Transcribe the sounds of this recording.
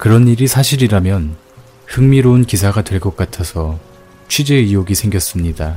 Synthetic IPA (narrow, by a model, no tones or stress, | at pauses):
kɯɾʌniɾisʰaɕʰiɾiɾamjʌn | hɯŋmiɾounkisʰaɡatwe̞ɭkʌk͈atʰasʰʌ | t͡ɕʰɥid͡ʑe̞ijoɡisʰeŋɡjʌs͈ɯmɲida